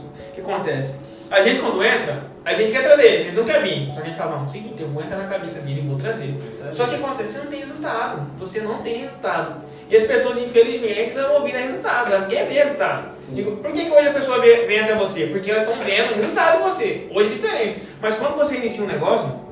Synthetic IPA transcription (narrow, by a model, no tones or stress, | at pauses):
kɪakõnt̪ɛsɪ̥ | aʒẽnt͡ʃɪkwɐ̃nd̪ʊẽnt̪ɾɐ | aʒẽnt͡ʃɪkɛɾt̪ɾazeɾʒẽt͡ʃɪnɐ̃w̃kɛɾmĩsɔɐʒẽt͡ʃɪfalɐmɐ̃w̃sĩĩt̪ewvowẽnt̪ɾanɐkamisɐmĩnɪvowt̪ɾazesɔkɪakõnt̪ɛsenɐ̃w̃t̪ẽhɦezut̪ad̪ʊvosenɐ̃w̃t̪ẽj̃hezut̪ad̪ʊ | ɪɐspesoɐzĩfelizmẽẽt͡ʃɪvɐ̃ɾ̃oviɾɐhezut̪ad̪ʊakɛvehezult̪ad̪ʊ | d͡ʒiɡʊpoɾkekojzɐpesoɐvevẽj̃at̪ɛvosepoɾkeɛlɐzʃt̪ɐ̃w̃vẽnd̪ʊ̃ũɦezuwt̪ad̪ʊd͡ʒɪvoseoʒɛd͡ʒifeɾẽnt͡ʃɪ | mɐskwɐ̃nd̪ʊvoseinisiɐũnɛɡɔsjʊ